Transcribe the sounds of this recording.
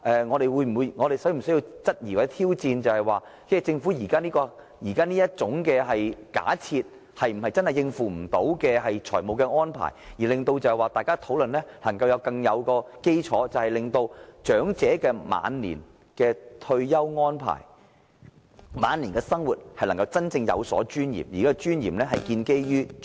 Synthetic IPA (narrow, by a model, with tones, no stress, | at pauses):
ʔɛː˨ŋɔː˨˧ɾe˨jwuː˨˧jm̩˨˩wu˨˧jŋɔː˨˧ɾe˨jsɔː˨˥m̩˨˩sɵ˥ji˧wt͡sɐ˥t̚jiː˨˩waː˨˩˥t̪ʰiː˥wt͡siː˧nt͡sɐ˨whɐ˨jwaː˨˩ | t͡sɛː˥˩t͡sɪ˧ŋfu˨˥jiː˨˩kaː˥niː˥kɔː˧ | jiː˨˩kaː˥niː˥jɐ˥t̚t͡sʊ˨˥ŋkɛː˧ɦɐ˨jka̰ː˨˥t͡sʰiː˧t̚ | hɐ˨jm̩˨˩hɐ˨jt͡sɐ˥nhɐ˨jɪ˧ŋfuː˨m̩˨˩t̪o˨˥wkɛː˧ɦɐ˨jt͡ʃʰɔ̰ː˨˩jmo˨wkɛː˧ŋɔː˥npʰa̰ː˨˩jjiː˨˩lɪ˨ŋt̪o˧wt͡sɐ˨˧hɐ˨jwaː˨˩t̪aː˨jkaː˥t̪ʰo˨˥wlɵ˨nlɛː˥lɐ˨˩ŋkɐ˧wjɐ˨˧wkɐ˧ŋjɐ˨˧wkɔː˧ke˥jt͡ʃʰɔː˨˥t͡sɐ˨whɐ˨jlɪ˨ŋt̪o˧wt͡ʃœː˨˥ŋt͡sɛː˨˥kɛː˧ma̰ː˨˧nlḭː˨˩n | kɛː˧t̪ʰɵ˧ɥjɐ˥wŋɔː˥npʰa̰ː˨˩j | maː˨˧nli˨˩nkɛː˧sɐ˥ŋwuː˨t̚hɐ˨jlɐ˨˩ŋkɐ˧wt͡sɐ˥nt͡sɪ˧ŋjɐ̰˨˧wsɔ̰ː˨˥t͡ʃyː˥njḭː˨˩mjiː˨˩kaː˥ɛ˧t͡ʃyː˥njḭː˨˩mlɛː˥ɦɐ˨jkiː˧nke˥jjyː˥